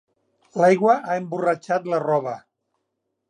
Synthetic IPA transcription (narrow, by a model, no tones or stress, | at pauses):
lajɣwəaemburət͡ʃat̪lərɔβə